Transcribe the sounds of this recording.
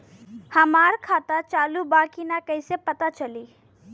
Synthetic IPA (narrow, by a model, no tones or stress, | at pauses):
həmaɾkʰat̪at͡ʃaːlubakinakəɪsepət̪at͡ʃəli